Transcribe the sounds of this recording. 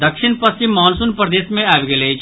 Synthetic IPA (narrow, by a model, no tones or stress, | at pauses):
d̪ɐkʃɪnpɐst͡ʃimːɔːnsunpɾɐd̪eːsmẽaːʋɡeleːd͡ʒ